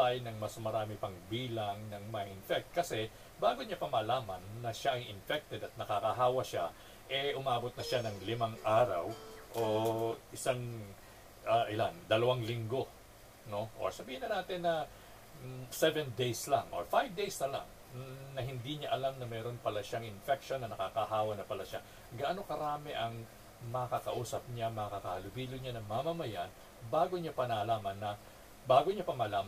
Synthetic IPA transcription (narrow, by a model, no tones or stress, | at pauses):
tajnɐŋmɐsmɐɾaːmɪpɐŋbiːlɐŋnɐŋmɐʔɪnfɛk̚t̪̚kɐsɛ | baːɡoɲapɐmɐlaːmɐnːɐʃaʔɐjʔɪnfɛk̚t̪ɛd̪ɐt̪̚nɐkakɐɦaːwɐʃa̰ | ʔɛʔʊmaːbot̪̚nɐʃanɐŋlɪmaŋʔaːɾɐ̰wʔoʔɪsaŋ | ʔɐʔɪland̪ɐlɐwaŋlɪŋɡo̞ | no̞ʔo̰ɹsɐbiːhɪnɐnaːt̪ɪnːɐ | sɛvɛnd̪ejslɐŋʔo̰ɹfajvd̪ejsnɐla̰ŋ | nɐɦɪnd̪iɲaʔɐlamnɐmɛːɾo̞npɐlaʃɐŋɪnfɛk̚ʃonːɐnɐkakaɦaːwɐnɐpɐlaʃa | ɡɐʔɐnoŋkɐɾaːmɛʔɐŋ | mɐɐkɐkɐʔuːsɐp̚ɲamɐɐkɐkɐhɐlʊbiːloɲanɐmɐmɐmɐjan | baːɡo̞ɲapɐnɐɐlaːmɐnːɐ | baːɡo̞ɲapɐmɐɐlaːm